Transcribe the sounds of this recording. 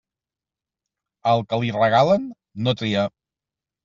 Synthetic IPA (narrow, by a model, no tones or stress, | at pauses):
əlˠkəlirəɣalənː | ot̪ɾiə